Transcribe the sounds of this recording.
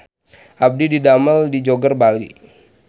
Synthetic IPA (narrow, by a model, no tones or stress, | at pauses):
ʔab̚dididaməldid͡ʒoɡərbalḭ